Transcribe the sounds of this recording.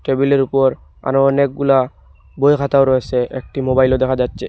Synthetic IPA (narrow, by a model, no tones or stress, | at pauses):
ʈebileɾupɔɾ | a̰noɔnek̚ɡula | bojkʰat̪aoɾoet͡ɕʰeʔek̚ʈimobajlod̪ɛkʰad͡ʑatːɕʰe